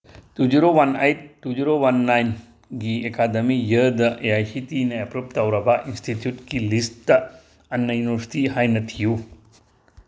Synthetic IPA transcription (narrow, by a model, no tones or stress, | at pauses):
tud͡ʒiɾowanejtːud͡ʒiɾowanːajn | ɡiekadɐmijɐdɐʔeajsitinɐepɾup̚tawɾɐbɐʔinstʰitjutkilisttɐ | ɐnːɐjuniβɐɾsi̥tihajnɐtʰiju